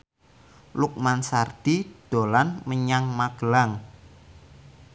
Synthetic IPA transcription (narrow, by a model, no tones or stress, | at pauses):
luk̚mansard̪̥id̪̥o̤lanməɲaŋmaɡ̥əlaŋ